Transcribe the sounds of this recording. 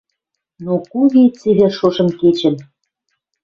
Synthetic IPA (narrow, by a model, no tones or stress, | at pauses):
nokuɣet͡seβʲeʃoʒə̆mket͡ɕə̆n